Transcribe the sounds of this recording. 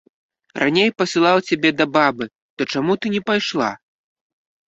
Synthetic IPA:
ra̰nʲejpɐsʲɨlˠawt͡sʲabʲɛd̪ɐbabɨ | t̪ɔt͡ʂamut̪ɨnʲɛpajʂlˠa̰

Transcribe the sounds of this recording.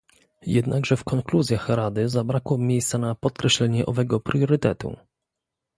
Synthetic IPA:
jɛd̪naɡʐɛfkɔŋkluzʲjaxɾad̪ɘzabɾakwɔmʲjejst̪sanapɔt̪̚kɾɛɕlɛɲɛʔɔvɛɡɔpɾjɔɾɘt̪ɛt̪ṵ

